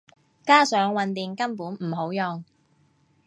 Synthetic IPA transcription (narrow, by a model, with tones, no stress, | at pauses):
kaː˥sœː˨˥ŋwɐ˨˧nt̪iː˨˧ŋkɐ˥mpuː˨˥nm̩˨˩ɦo˨˥wjɔ˨˧ŋ